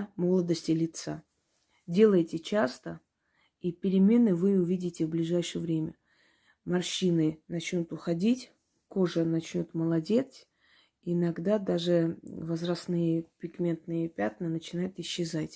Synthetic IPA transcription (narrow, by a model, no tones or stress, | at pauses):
mo̞lˠəd̪əsʲtʲɪlʲɪt̪sa | dʲe̞lˠəjɪtʲɪt͡ɕast̪ə | ipʲɪɾʲɪmʲe̞nɨvɨʊvʲidʲɪtʲɪvblʲɪʐajʂɨjəvɾʲemʲə | mɐrɕinɨnɐt͡ɕnʲut̪ʊxɐdʲitʲ | ko̞ʐənɐt͡ɕnʲot̪məlˠɐdʲe̞t̪s | ɪnɐɡd̪ad̪aʐɨvəzrɐsnɨjəpʲɪɡmʲe̞nt̪nɨjəpʲat̪nənət͡ɕɪnajʊt̪ɪɕːɪzatʲ